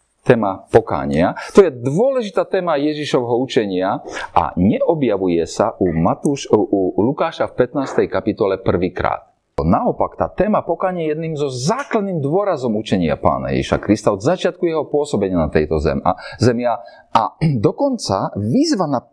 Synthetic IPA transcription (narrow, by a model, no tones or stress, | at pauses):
t̪ɛːmapɔka̰ːɲɪat̪ɔjɛd̪ʊɔlɛʒit̪aːt̪ɛːmajɛʒiʃɔʋɛɦɔut͡ʃɛɲɪaʔa̰ɲɛʔɔbjaʋujɛsaʔumat̪uːʃuulukaːʃafpɛt̪naːst̪ɛjkapit̪ɔlɛpr̩ʋiːkɾa̰ːt̪̚ | naɔpakt̪a̰ːt̪ɛːmapɔkaːɲɪɛjɛd̪niːmzɔzaːklad̪niːmd̪ʊɔɾazɔmut͡ʃɛɲɪa̰pa̰ːna̰jɛ̰ʒḭʃa̰kɾist̪aɔd̪zat͡ʃɪat̪̚kujɛɦɔpʊɔsɔbɛɲɪanat̪ɛjt̪ɔzɛ̰m̰zɛmɪa | ad̪ɔkɔnt͡saʋizʋana